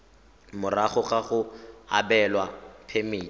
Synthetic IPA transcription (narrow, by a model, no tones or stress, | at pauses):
mʊraχʊχaχʊa̰bɛlwapʰemeː